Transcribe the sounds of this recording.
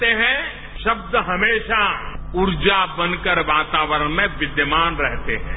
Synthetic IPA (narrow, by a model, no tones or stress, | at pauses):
t̪eɦɛ̃ | ʃɐb̚d̪ɦɐmeːʃaʊɾd͡ʒabə̃nkəɾʋaːt̪aːʋəɾənmẽʋɪd̪jəmaːnɾɛɦt̪eɦɛ̃ː